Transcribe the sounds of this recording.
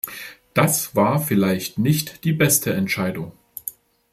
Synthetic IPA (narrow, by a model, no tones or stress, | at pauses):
d̥asv̥aːɐfɪlaɪçtnɪçtd̥iːbɛstʰəɛntʃaɪdʊŋ